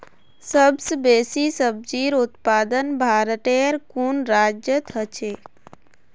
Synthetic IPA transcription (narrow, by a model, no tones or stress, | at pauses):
səbsbeːsisəb̚d͡ʒiːɾʊt̪paːd̪ənbʱaːɾt̪eɾkunɾaːd͡ʒjət̪ʰət͡ʃʰe